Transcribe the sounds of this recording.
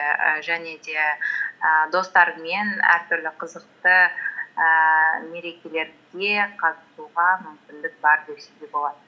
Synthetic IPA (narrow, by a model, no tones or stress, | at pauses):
əʒæne̞d̪e̞əd̪o̞st̪ɑɾme̞næ̰ɾt̪ʰʏɾlɪqʰəzəq̚t̪əəme̞ɾe̞kʲe̞le̞ɾd̪e̞qʰɑt̪əsuʁɑmʏmkʲɪnd̪ɪk̚bɑɾd̪eseɡ̪ʲebo̞lˠɑd̪ə